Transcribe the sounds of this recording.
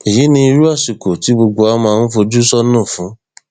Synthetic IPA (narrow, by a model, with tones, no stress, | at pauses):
i˨ji˨˦nĩ˧i˧ɾu˦a˦˨ʃi˨ko˨ti˨˦bo˧ɡ͡bo˧a˦mã˧ñ̩˦fo˧d͡ʒu˦sɔ˦nãː˦˨fũ˨˦